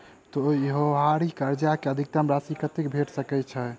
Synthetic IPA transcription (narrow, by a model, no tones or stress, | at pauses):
t̪ɔjeɦoʋaɾikəɾd͡ʒakeəd̪ʱik̚t̪əmɾasikət̪ekbʱeʈsəkɛt͡ʃʰə